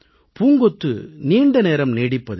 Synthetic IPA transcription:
puːŋɡɔt̪ːɯniːɳɖɐneːɾɐmneːɽɪpːɐðɯ

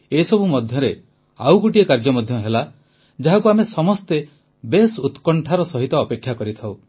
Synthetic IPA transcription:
esɔbumɔd̪ʱjɔɾe | a̰wkuʈiekaɾd͡ʒɔmɔd̪ʱjɔɦela | d͡ʒaɦakuamesɔmɔst̪e | besut̪kɔɳʈʰaɾɔsɔɦit̪ɔːpekʰjakɔɾit̪ʰaw

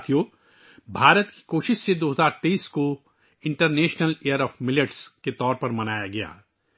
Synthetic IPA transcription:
t̪ʰijo | bʱaːɾət̪ki̥koːʃɪʃsed̪oːɦɐzaːɾt̪eiːsko | ɪ̃ɳʈəɾneːʃnəleəɾɔːfmɪləʈsket̪ɔːɾpɐɾmɐnaːjaɡɐja̰ː

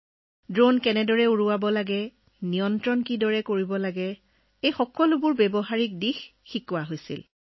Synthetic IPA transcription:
dɹonkɛnɛdɔɹɛuɹuwabɔlaɡɛ | nijɔntɹɔnkidɔɹɛkoɹibɔlaɡɛ | ejxɔkɔlʊbʊɹbɛbɔɦaɹik̚dixːikʊwaɦojsḭl

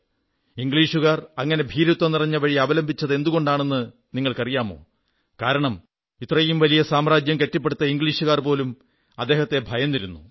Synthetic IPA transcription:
iŋɡɭiːʂuɣaːrɐŋːɐne̞bʱiːɾut̪ːɐnirɐɲːɐʋɐɻiɐʋɐlɐmbʱit͡ɕːɐðe̞nd̪uɣo̞ɳɖaːɳe̞nːɨ | niŋːɐɭkɐrijaːmo̞̰ː | kaːɾɐɳɐm | it̪ːrɐjimʋɐlijɐsaːmraːd͡ʑjɐmke̞tːipːeɽut̪ːɐiŋɡɭiːʂuɣaːrpo̞ːlum | ɐd̪ːeːhɐt̪ːe̞bʱɐjɐnːiɾunːu

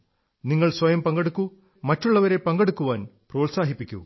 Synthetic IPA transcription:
niŋːɐɭsʋɐjɐmpɐŋɡɐɽukːu | mɐtːuɭːɐʋɐɾe̞pɐŋɡɐɽukːuʋaːnproːlsaːɦipːikʲːṵ

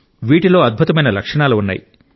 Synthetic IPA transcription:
ʋiːʈilo̞ːɐd̪̚bʱut̪ɐmɐjnɐlɐkʂɐɳaːluunːa̰ːji

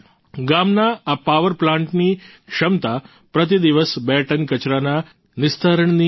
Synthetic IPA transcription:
ɡamnaapaʋəɾplãɳʈniːkʂɐmt̪a | pɾət̪̬id̪iʋəsbɛʈənkɐt͡ɕɾana | nist̪ʰaɾəɳni

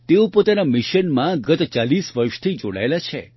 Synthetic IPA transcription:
t̪eõpot̪anamiʃənmãɡət̪t͡ʃalisʋəɾʃt̪ʰid͡ʒoɽa̰elat͡ʃʰḛ

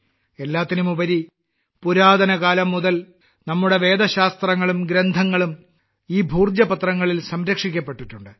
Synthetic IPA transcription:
e̞lːaːt̪ːinumubɐɾi | puɾaːd̪ɐnɐkaːlɐmːuðɐl | nɐmːuɽe̞ʋe̞ːd̪ɐɕaːst̪rɐŋːɐɭumɡɾend̪ʱɐŋːɐɭum | iːbʱuːrd͡ʑjɐpɐt̪rɐŋːɐɭilsɐmɾɐkʂikʲːɐpːe̞ʈːiʈːuɳɖɨ

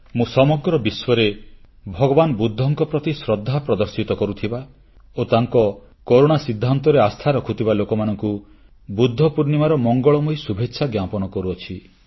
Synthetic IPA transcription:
mũsɔmɔɡɾɔbiswɔɾe | bʱɔɡɔbanbud̪ʱːɔŋkɔpɾɔt̪isɾɔd̪ʱːapɾɔd̪ɔɾsit̪ɔkɔɾut̪ʰiba | ot̪aŋkɔ | koɾoɽ̃asid̪ʱːant̪ɔɾeast̪ʰaɾɔkʰut̪ʰibalokɔmanɔŋku | bud̪ʱːɔpuɾnimaɾɔmɔŋɡɔɭɔmɔisubʱetːʃʰaɡjapɔnɔkɔɾuɔt͡ʃʰi

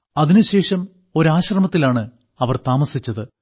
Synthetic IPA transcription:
ɐðinɨɕe̞ːʂɐm | o̞ɾaːɕrɐmɐt̪ːilaːɳɨ | ɐʋɐrt̪aːmɐsit͡ɕːɐðɨ

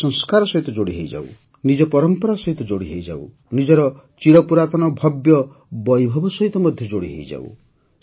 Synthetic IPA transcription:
ɔŋskaɾɔsɔɦit̪ɔd͡ʒoɽiɦejd͡ʒa̰w̰ | nid͡ʒɔpɔɾɔmpɔɾasɔɦit̪ɔd͡ʒoɽiɦejd͡ʒa̰ṵ | nid͡ʒɔɾɔ | t͡ʃiɽɔpuɾat̪ɔnɔbʱɔbjɔ | bɔjbʱɔbɔsɔɦit̪ɔmɔd̪ʱjɔd͡ʒoɽḭɦḛjd͡ʒa̰w̰

